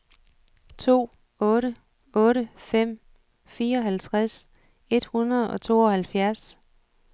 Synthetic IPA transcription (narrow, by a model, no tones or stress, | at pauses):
t͡sʰo̝̰ː | ɔ̽ːɾə | ɔ̽ːɾəfem̰ | fiːɐɒ̽ɦælt͡sʰʁas | e̝d̥hunɐð̞ˠɒ̽t͡sʰo̝̰ːɒ̽hælfjæɐs